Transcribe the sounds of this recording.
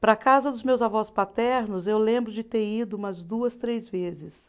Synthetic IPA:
pɾɐkazɐd̪ʊzmewzavɔspat̪ɛɾnʊzewlẽmbɾʊd͡ʒɪt̪eɾid̪ʊumɐzd̪uɐst̪ɾejzvezɪs

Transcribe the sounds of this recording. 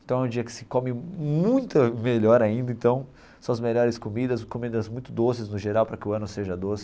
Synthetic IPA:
ẽnt̪ɐ̃w̃ɛũd͡ʒiɐkɪ̥sɪ̥komɪmũj̃t̪ɐmeʎɔɾaĩnd̪ɐẽnt̪ɐ̃w̃ | sɐ̃w̃ɐzmeʎɔɾɪskomid̪ɐskomid̪ɐzmũj̃t̪ʊd̪osɪznʊʒeɾawpɾɐkɪʊɐ̃nʊseʒɐd̪osɪ

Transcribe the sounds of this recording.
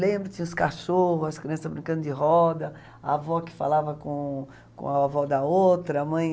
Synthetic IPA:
lẽmbɾʊt͡ʃ̪ĩɲ̃ʊskaʃohʊzɐskɾiɐ̃sɐzbɾĩŋkɐ̃nd̪ʊd͡ʒɪɦɔd̪ɐ | avɔkɪ̥fa̰lavɐkõ | kõ̰aavɔd̪ɐowt̪ɾɐamɐ̃j̃

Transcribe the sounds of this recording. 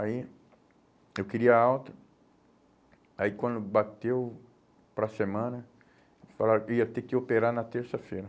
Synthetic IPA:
ai | ewkɪɾiɐawt̪ɐ | aikwɐ̃nd̪ʊbat̪ew | pɾɐsemɐ̃nɐ | falaiɐt̪ekɪopeɾaɾnɐt̪eɾsɐfejɾɐ

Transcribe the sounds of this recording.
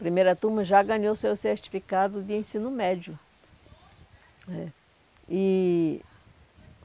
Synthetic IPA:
pɾimejɾɐt̪umɐʒaɡɐ̃ɲowsewseɾt͡ʃi̥fikad̪ʊd̪ɪẽsĩnʊmɛd͡ʒʊ | ɛ | ɪ

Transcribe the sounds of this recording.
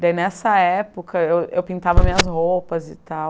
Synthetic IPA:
d̪ainɛsɐɛpokʰɐewewpĩnt̪avɐmĩɲɐzhopɐzɪt̪aw

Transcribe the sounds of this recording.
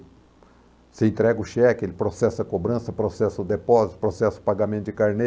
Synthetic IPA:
sɪẽnt̪ɾɛɡʊʃɛkɪelɪpɾosɛsɐkobɾɐ̃sɐpɾosɛsɐʊd̪epɔzit̪ʊ̥pɾosɛsɐʊ̥paɡamẽnt̪ʊd͡ʒɪkaɾne

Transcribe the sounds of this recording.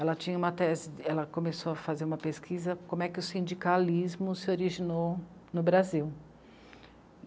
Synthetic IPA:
ɛlɐt͡ʃĩɲɐũmɐt̪ɛzɪɛlɐkõmesoɐfazeɾũmɐpeskʰizɐkõmʊɛkɪʊsĩnd͡ʒikalizmʊsɪoɾiʒinonʊbɾaziw

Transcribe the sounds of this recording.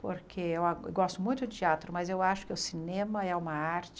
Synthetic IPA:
po̰ɾkʰeewaewɡɔst̪ʊmũj̃t̪ʊd̪ɪt͡ʃiat̪ɾʊmɐzewaʃʊ̥kɪʊsinẽmɐɛũmɐaɾt͡ʃ

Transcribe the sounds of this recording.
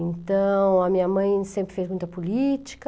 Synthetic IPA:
ẽnt̪ɐ̃w̃ɐmĩɲɐmɐ̃j̃sẽmpɾɪfezmũj̃t̪ɐpulit͡ʃ̪i̥kɐ

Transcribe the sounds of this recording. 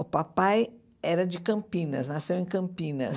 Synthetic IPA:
ʊpapaj | ɛɾɐd͡ʒɪkɐ̃mpĩnɐ̰snasewẽj̃kɐ̃mpĩnɐ̰s

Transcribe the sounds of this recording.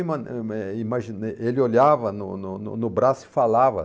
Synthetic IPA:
imɐɛimaʒineelɪoʎavɐnʊnʊnʊnʊbɾasʊɪ̥falavɐ̰

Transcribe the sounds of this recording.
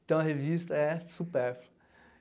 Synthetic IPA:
t̪ɐ̃w̃ɐɦevist̪ɐɛsupɛɾflɐ

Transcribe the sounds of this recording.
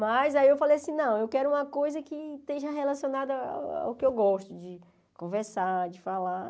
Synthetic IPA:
mɐzaiewfalejaɐsĩnɐ̃w̃ewkɛɾʊũmɐkojzɐkɪt̪eʒɐɦelasionad̪ʊa̰a̰ʊkɪewɡɔʃt̪ʊd͡ʒɪ | kõvɛɾsad͡ʒɪfala

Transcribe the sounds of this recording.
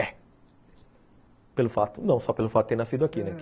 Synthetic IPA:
ɛ | pelʊfat̪ʊnɐ̃w̃sɔpelʊfat̪t̪ẽj̃nasid̪ʊakinɛk

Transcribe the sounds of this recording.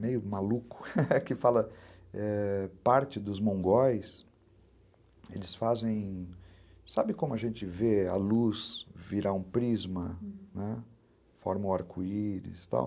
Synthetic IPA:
mejʊmalukʊ̥kɪfalɐɛpaɾt͡ʃɪd̪ʊzmõŋɡɔjs | ḛlɪsfazẽj̃ | sabɪkõmʊɐʒẽnt͡ʃɪvea̰lusviɾaũpɾizmɐnɛ | fɔ̰ɾmwaɾkʰuiɾɪ̰st̪a̰w

